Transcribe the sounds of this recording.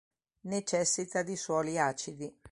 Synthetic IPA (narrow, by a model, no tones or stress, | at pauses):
net͡ʃɛsːit̪ad̪iswɔliaːt͡ʃid̪i